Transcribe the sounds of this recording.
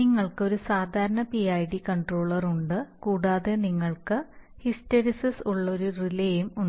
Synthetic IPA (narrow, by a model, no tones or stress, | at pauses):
niŋːɐɭkɨo̞ɾusaːd̪ʱaːɾɐɳɐpiajɖikɐɳɖro̞ːɭɐruɳɖɨkuːɽaːðeniŋːɐɭkɨ | histeɾisɐsuɭːoɾurilɐjumuɳɖ